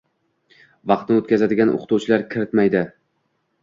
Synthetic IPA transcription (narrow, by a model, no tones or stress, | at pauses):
vɑqt̪nɪot̪kʲazad̪ɪɡʲanʔo̰qʰt̪uwt͡ʃʰɪlaɾkʲʰɪɾɪt̪majd̪ɪ